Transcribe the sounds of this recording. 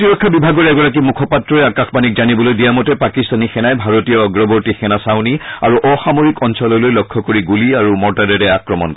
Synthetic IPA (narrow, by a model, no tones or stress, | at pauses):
tiɹɔkʰːabibʱaɡɔɹɛɡɔɹak̬imukʰɔpatɹɔɛakãxbanik̚zanibɔlojdijamɔtɛpakistanixɛnajbʱaɹotiɔɡɹɔbɔɹtixɛnasawnia̰ɹuʔɔxamoɹikɔnsɔlɔlojlɔkʰːɔkoɹiɡuliaɹumɔɹtadɛɹɛakɹɔmɔ̰nkɔ